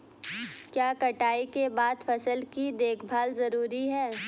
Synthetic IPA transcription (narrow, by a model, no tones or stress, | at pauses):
kjaːkɐʈaːikebaːd̪fɐsəlkid̪eːkʰbʱaːlzɐɾuːɾiɦɛː